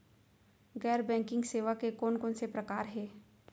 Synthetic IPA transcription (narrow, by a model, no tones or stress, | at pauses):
ɡɛːɾbɛ̃ːŋkɪ̃ŋɡseːʋakekɔːnkɔːnsepɾɐkaːɾɦɛː